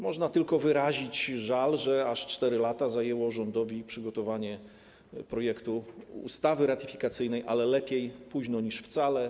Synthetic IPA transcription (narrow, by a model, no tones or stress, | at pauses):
mɔʐnat̪ɘlkɔvɘɾaʑit͡ɕʐalʐɛaʂt͡ʂt̪ɛɾɘlat̪azajɛwɔʐɔnd̪ɔvʲipʂɘɡɔt̪ɔvaɲɛ | pɾɔjɛkt̪uṵst̪avɘɾat̪ifʲi̥kat̪sɘjnɛjʔa̰lɛlɛpʲjejpuʑnɔɲiʂft̪salɛ